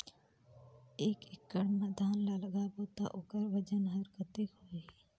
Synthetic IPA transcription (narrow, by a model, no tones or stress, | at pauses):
eːkɪkːəɽnad̪ʱaːnlaləɡaboːt̪aʔʊkəɾʋəd͡ʒənɦəɾkət̪ɪkɦoːɾi